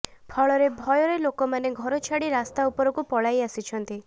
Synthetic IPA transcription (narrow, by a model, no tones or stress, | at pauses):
pʰɔɭɔɾebʱɔjɔɾelokɔmaneɡʱɔɾɔt͡ʃʰaɽiɾast̪aupɔɾɔkupɔɭajasit͡ʃʰɔnt̪i